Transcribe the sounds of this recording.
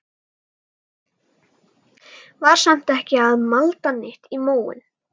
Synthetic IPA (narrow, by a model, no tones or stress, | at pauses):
vaɾ̥sam̥t̪ɛhcɪaðmalt̪anːɪht̪imoːwʏ̰n